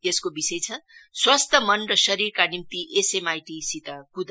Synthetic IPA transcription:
eskobisʌjt͡sʰʌswast̪ʰʌmʌnrʌsʌɾirkanimt̪iʔesemajʈisit̪akud̪a

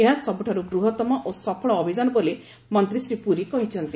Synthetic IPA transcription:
eɦasɔbuʈʰaɾuɡɾuɦɔt̪ɔmɔʔosɔpʰɔɭɔːbʱid͡ʒanɔbole | mɔnt̪ɾisɾipuɾikɔɦit͡ʃʰɔnt̪i

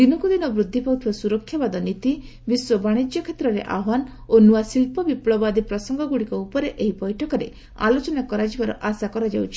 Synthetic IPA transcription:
d̪̥inɔkud̪inɔbɾud̪ʱːipawt̪ʰibasuɾɔkʰjabad̪ɔnit̪i | biswɔbaɽ̃id͡ʒjɔkʰet̪ɾɔɾḛʔa̰wan | onuasilpɔbipɭɔbad̪ipɾɔsɔŋɡɔɡuɽikɔupɔɾeʔeɦibɔjʈʰɔkɔɾe | a̰lot͡ʃɔnakɔɾad͡ʒibaɾɔ̰ʔasakɔɾad͡ʒawt͡ʃʰi̥

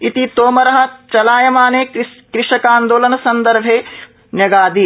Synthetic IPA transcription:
it̪it̪oːmɐɾɐɦɐ̆t͡ʃɐlaːjɐmaːneːkɾɪʃɐkaːnd̪oːlɐnɐsɐnd̪ɐɾbʱeː | njɐɡaːd̪i

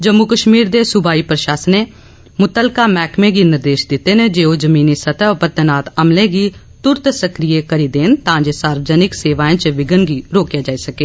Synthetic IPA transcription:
d͡ʒəmːukəʃmiːɾd̪eːsʊbaːiːpɾəʃaːsəneː | mʊt̪əlkaːmɛːkmẽːɡiːnɪɾd̪eːʃd̪ɪt̪eːnẽd͡ʒeːod͡ʒəmiːnisət̪əpət̪ːənaːt̪əmlẽːɡiː | t̪ʊɾt̪səkɾijekəɾiːd̪eːnt̪ãːd͡ʒeːsaːɾʋəd͡ʒənɪkseːʋaːẽːt͡ʃʋɪɡənɡiːɾoːkjaːd͡ʒaːisəkeː

